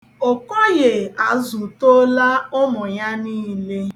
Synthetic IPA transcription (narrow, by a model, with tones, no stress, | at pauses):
o˨kɔ˦je˨a˨zu˨to˦la˦ʊ˦mʊ˨ja˦niː˦le˦